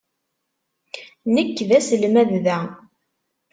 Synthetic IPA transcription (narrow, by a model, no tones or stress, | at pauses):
nəkːðæsəlmæððæ